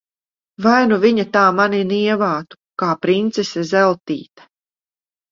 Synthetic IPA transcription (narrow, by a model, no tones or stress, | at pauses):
vajnuviɲat̪aːmaniniɛvaːt̪u̥ | kaːpɾint̪sesʲɛzɛlˠt̪iːt̪ḁ